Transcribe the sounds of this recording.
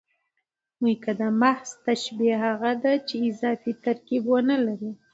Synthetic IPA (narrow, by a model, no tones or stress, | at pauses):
mujkad̪əmahz̥t̪aʃbiɦaɣad̪at͡ʃeɪzɑfit̪aɾkibwənalaɾi